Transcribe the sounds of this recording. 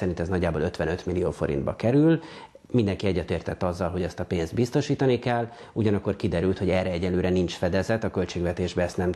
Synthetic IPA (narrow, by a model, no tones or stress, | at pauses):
sɛɾint̪ɛznɒɟːaːboløt̪ʋɛnø̞t̪milːijoːfo̞ɾḭnd̪bɒ̰kɛɾyl | mind̪ɛŋkiɛɟːɛt̪eːrt̪ɛt̪ːɒzːɒlɦo̞ɟɛst̪ɒpeːnzd̪̚bist̪o̞ʃiːt̪ɒnikɛlː | uɟɒnɒkːo̞rkid̪ɛɾylt̪ho̞ɟɛrɛɛɟɛnløːɾɛnint͡ʃfɛd̪ɛzɛt̪ːɒkø̞lt͡ʃeːɡvɛt̪eːʒbɛɛst̪nɛm